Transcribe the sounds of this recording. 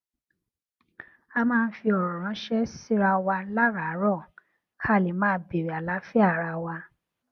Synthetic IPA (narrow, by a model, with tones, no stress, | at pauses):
a˧mãː˦˧n̩˦fi˧ɔ˨ɾɔ̃˨ɾ̃ã˨˦ʃɛ˦si˦ɾa˧wa˧˦la˦ɾa˨˦ɾɔ˦˨ | kʰa˦˨li˨˦mãː˦be˨ɾi˨a˨la˨˦fi˦a˦˨ɾa˧wa˧